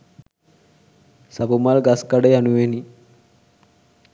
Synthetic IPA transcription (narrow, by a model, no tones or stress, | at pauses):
sabumalɡaskaɖejanuʋeni